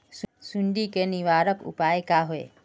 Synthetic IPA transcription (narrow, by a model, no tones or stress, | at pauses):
ssuɳɖikeniʋaːɾəkʊ̰paːekaɦoḛ